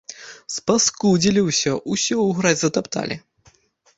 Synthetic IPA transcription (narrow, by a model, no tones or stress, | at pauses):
spaskud͡zʲilʲiwsʲɔʔusʲɔuɣɾad͡zʲzɐt̪apt̪a̰lʲḭ